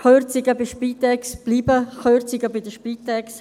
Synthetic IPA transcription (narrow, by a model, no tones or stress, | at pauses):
χøɾt͡siɡəbɪʃpiːt̪ɛksb̥liːbəχøɾt͡sɪɡəbɪdəʃpit̪ɛks